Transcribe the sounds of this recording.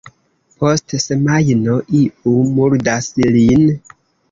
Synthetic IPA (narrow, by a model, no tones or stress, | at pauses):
pʰostsemajnoʔiumuɾdaslin